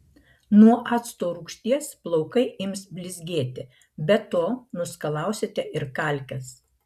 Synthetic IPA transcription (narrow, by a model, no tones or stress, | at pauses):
nuɔʔɑːt̪st̪oːɾuːkʃʲt̪ʲiɛsplˠɔʊkɐɪʔɪmsbʲlʲɪzʲɡʲeːt̪ʲɪ | bʲɛt̪oːnʊskɐlˠɑˑʊsʲet̪ʲɛɪɾkɐˑlʲkʲɛs